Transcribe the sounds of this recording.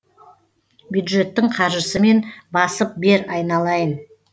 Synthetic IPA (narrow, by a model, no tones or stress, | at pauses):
bjud̪ʒe̞t̪ːɪɴqʰɑɾʒəsəme̞nbɑsəp̚be̞ɾɑjnɑlˠɑjən